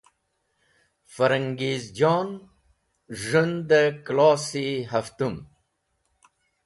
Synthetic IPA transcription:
faɾaŋɡeːzd͡ʒɑːn | ʒund̪əklɑːsiɦaft̪um

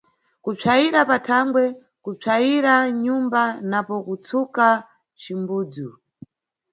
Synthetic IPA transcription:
kup͡ʂʰaiɾapatʰaŋɡwɛ | kup͡ʂaiɾaɲumbanapɔkut͡sʰuka | t͡ʃimbuːd͡zu

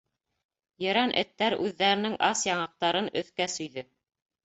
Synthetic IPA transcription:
jɤ̆ɾɑnʔɘ̰̆t̪ːæɾʉðːæɾɘ̆nɘŋʔɑsjɑɴɑq̚t̪ɑɾɤnɵ̰̆θkæsɵ̆jðɵ

